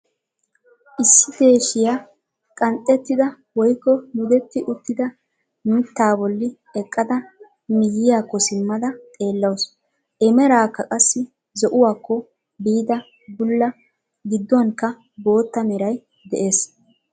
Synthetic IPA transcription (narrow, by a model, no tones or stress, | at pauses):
ʔɪsːɪd̪e̞ːʃɪja | kʼɐnt̪ʼːɛt̪ːɪd̪ɐ | wɔjkːɔmʊd̪ɛt̪ːɪʔʊt̪ːɪd̪ɐ | nʊt̪ːaːbɔlːɪ | ɛkʼːɐd̪ɐ | mɪjːɪjaːkːɔsɪmːɐd̪ɐt̪ʼe̞ːlːɐws | ʔɛmɛɾaːkːɐkʼɐsːɪ | zɔʔʊwaːkːɔ | biːd̪ɐ | bʊlːɐ | ɡɪd̪ːɔnkːɐ | bo̞ːt̪ːɐmɛɾɐj | d̪ɛʔe̞ːs